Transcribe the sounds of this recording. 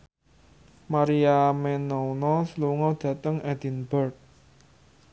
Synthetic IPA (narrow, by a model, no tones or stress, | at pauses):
maɾiamɛnɔunɔsluŋɔd̪̥ä̤t̪əŋɛd̪̥inbərt̪̚